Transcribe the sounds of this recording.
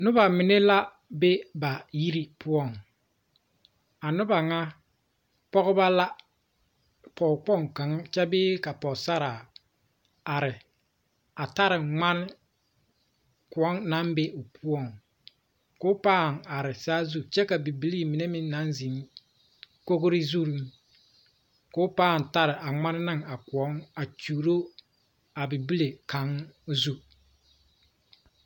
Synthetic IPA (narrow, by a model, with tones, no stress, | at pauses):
nʊ˦ba˨mɪ˨ne˦la˦ | be˦ba˨ji˦ɾi˦pʰʊ˦ɔ˦˨ŋ | a˨nʊ˦ba˨ŋa˦ | pɔ˦ɣʊ˦ba˦la˦ | pɔ˨k͡pɔ˦˨ŋka˨ŋa˦t͡ʃɛ˦bɪː˦ka˨pɔ˨sa˦ɾaː˨ | a˨ɾɪ˨ | a˨ta˦ɾɪ˨ŋ͡ma˦nɪ˦ | kʊ˨ɔ˦ŋna˦mbe˦ʔʊ˨pʰʊ˦ɔ˨ŋ | ko˦paː˦˨ŋa˨ɾɪ˨saː˦zu˦t͡ʃɛ˦ka˨bi˨bi˦li˦mɪ˨ne˦mɪ˦n˦na˦nzi˨˦ŋ | ko˦ɡo˦ɾɪ˦zu˦ɾi˦ŋ | ko˦paː˦˨n˨ta˦ɾɪ˨ʔa˨ŋ͡ma˦nɪ˦nɪ˦ŋa˨kʊ˨ɔ˦ŋa˨t͡ʃuː˨ɾo˦ | a˨bi˨bi˦le˨ka˨˦ŋzu˦